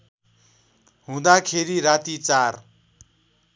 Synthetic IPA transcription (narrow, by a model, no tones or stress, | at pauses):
ɦũd̪akʰeɾiɾat̪it͡sar